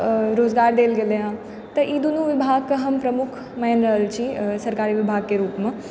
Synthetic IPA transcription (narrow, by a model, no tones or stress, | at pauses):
ɾoːzɡaːɾd̪eːlɡeleɦã | t̪ɐʔiːd̪unũʋɪbʱaːɡ̚kɐɦɐmpɾɐmʊkʰ | mɐɦənɾɐɦəlt͡ɕʰisɐɾkaːɾiʋɪbʱaːɡ̚keɾuːpmã